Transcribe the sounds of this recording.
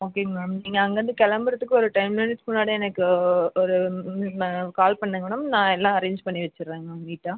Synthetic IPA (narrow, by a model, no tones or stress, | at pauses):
oːkeːŋɐmɛːɳɐmniːŋɡɐːŋɡɐʋɐnd̪ɯkɐlɐmbɯɾɐt̪ːɯkːɯɔɾɯʈɐɪmleːnɪsmʊnːaːɽiɛnɐkːɯɔɾɯ | kaːlpɐɳːɯŋɡɐɳʊmnãːɛlːãːɐɾeːɲd͡ʒpɐɳːiʋɐt͡ʃːɪɾːeːŋɡɐʋiːʈːaː